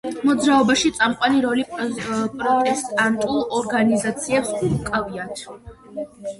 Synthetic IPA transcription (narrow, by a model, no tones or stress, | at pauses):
mɔd̪zɾaɔbaʃit̪sʼamqʼwaniɾɔlipʼɾɔt̪ʼɛst̪ʼant̪ʼulˠɔɾɡanizat̪sʰiɛpsukʼaviat̪ʰ